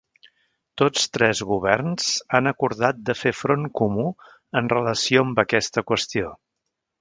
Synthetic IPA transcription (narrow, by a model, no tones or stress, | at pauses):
t̪ot͡st̪ɾɛzɣuβ̞ɛrnz̥anəkuɾðat̪̚d̪əfefɾoŋkumu | ənrələsioəmbəkɛst̪əkwəst̪io